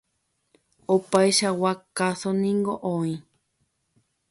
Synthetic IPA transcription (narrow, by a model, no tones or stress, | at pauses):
opaiʃawakasonĩŋɡoʔõĩ